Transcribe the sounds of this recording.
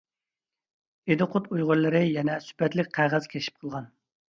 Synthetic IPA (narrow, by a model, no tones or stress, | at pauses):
ed̪ɨqʰʊt̪ujʁʊɾlˠɨɾɪjɛnɛsy̥pɛt̪lɪk̚ʲqʰæʁæz̥kʲʰeʃʰi̥p̚qʰəlˠʁɑn